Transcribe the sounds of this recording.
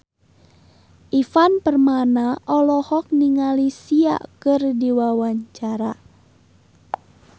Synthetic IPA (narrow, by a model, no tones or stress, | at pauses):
ʔifanpərmanaʔɔlɔhɔk̚niŋalisia̰kɨrdiwawaɲt͡ʃaɾa